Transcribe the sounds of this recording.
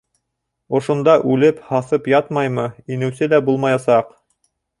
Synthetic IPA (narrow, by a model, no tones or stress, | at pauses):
ŏʃŏnd̪ɑʔʉlɘphɑsɤpjɑt̪mɑjmɤinɘ̆wsɘlæbulˠmɑjɑsɑq